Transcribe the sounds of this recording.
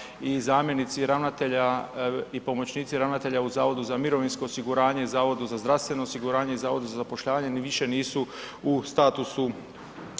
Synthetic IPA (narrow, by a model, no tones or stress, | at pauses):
izaːmje̞nit̪siɾaʋnat̪eʎaipo̞mo̞t͡ɕniːt̪siɾaʋnat̪e̞ʎauzaːʋo̞d̪uzamiɾo̞ʋinsko̞ːsiɡuɾaːɲe̞izaːʋo̞d̪uzazd̪ɾaʋst̪ʋe̞no̞ːsiɡuɾaːɲe̞izaːʋo̞d̪uzazapo̞ʃʎaːʋaɲe̞ʋiʃe̞niːsuust̪aːt̪usu